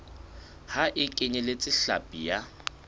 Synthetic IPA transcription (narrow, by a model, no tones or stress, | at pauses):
haʔɪkʼɪɲɛlet͡sʼɪɬa̰pʼija